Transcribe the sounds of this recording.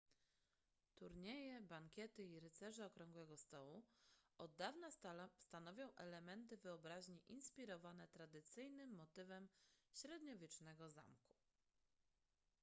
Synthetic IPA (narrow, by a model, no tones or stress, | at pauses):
t̪uɾɲejɛbaŋkʲɛt̪ɘiɾɘt̪sɛʐɛɔkɾɔŋɡwɛɡɔst̪ɔwuɔd̪ːavnast̪anɔvʲjɔ̃w̃ʔɛlɛmɛnt̪ɘvɘɔbɾaʑɲiʔinspʲiɾɔvanɛt̪ɾad̪ɘt̪sɘjnɘmːɔt̪ɘvɛmɕɾɛd̪ɲɔvʲjɛt͡ʂnɛɡɔza̰mku̥